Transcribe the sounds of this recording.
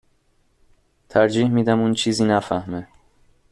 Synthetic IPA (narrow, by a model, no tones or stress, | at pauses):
t̪ʰæɾd͡ʒiːhmiːd̪æmunt͡ʃʰiːziːnæfæhme